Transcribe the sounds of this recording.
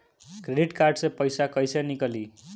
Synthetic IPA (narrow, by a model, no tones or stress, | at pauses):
kreɖiʈkarɖsepʌjsakʌjsenikʌli